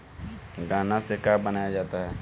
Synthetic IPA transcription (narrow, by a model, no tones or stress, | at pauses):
ɡaːnasekaːbənaːjad͡ʒaːt̪aɦɛː